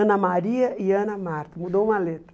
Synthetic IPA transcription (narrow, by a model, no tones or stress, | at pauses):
ɐ̃nɐmaɾiɐiɐ̃nɐmaɾt̪ɐmud̪oũmɐlet̪ɾɐ